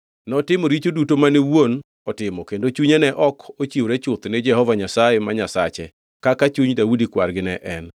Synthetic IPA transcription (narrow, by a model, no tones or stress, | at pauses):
nɔtɪmɔɾit͡ʃodutomanewon | ɔtɪmɔkendot͡ʃuɲenɛʔɔkot͡ʃioɾɛt͡ʃʊt̪nɪd͡ʒɛhɔvaɲasajemaɲasat͡ʃɛ | kakat͡ʃuɲdaudikwa̰rɡɪnɛʔɛn